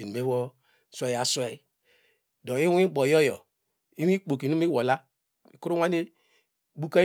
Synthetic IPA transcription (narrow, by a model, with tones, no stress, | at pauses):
i˨nu˨me˦wɔ˦ | swe˦ja˨swe˦ | dɔ̃˨i˦wĩ˦ɡ͡bɔ˨jɔ˦jɔ̰˨ | i˦wi˦k͡po˨ki˨nu˦mi˦wɔ˨la˦ | i˨ku˦ɾu˦wa˦ne˦ | bu˦ka˦